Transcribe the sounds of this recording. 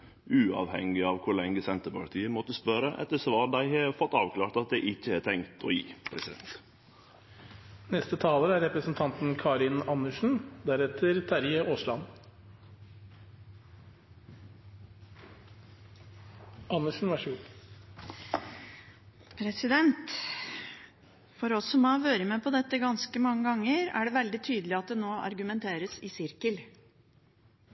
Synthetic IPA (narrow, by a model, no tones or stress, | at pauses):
ʉːɑ̰ʋhɛŋɪɑːʋkʰʊɭɛŋːəsɛnt̪əpʰɑɾt̪ʰiːəmɔt̪ːəspœɾəʔɛ̰t̪ːəsʋɑːd̪æɪhɑfɔt̪ːɑːʋkʰlɑːɾt̪ɑt̪̚d̪ɛʔɪçːəhɑːt̪ʰɛŋkt̪ʰo̰ːjḭːpʰɾɛsɪd̪ɛ̰nt̪ | nɛst̪ət̪ʰɑːləɾəæɾɛpɾəsn̩t̪ʰɑnt̪n̩kʰɑːɾɪnɑnəʂɳ̩d̪æɾɛt̪ʰəɾt̪ʰæɾjəʔoːslɑn | ʔɑnːəʂɳn̩ʋæʂɡuː | pʰɾɛsɪd̪ɛnt̪ | fɔɾɔsɔmoːʋøːɾəmeːpʰɔd̪ɛt̪ːəɡɑnskəmɑŋːəɡɑŋːəɾæ̰ɖɛʋɛld̪ɪt̪ʰyːd̪əlɪɑt̪̚d̪ɛnoːʔɑ̰ɾɡʉmɛnt̪ʰeːɾəsɪsɪɾkəl